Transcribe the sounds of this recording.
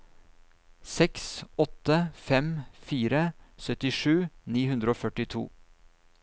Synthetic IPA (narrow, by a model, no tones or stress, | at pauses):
sɛksɔt̪əfɛmfiːɾəsœt̪ɪʂʉːniːhʉnd̪ɾəoːfœʈɪt̪ʰṵː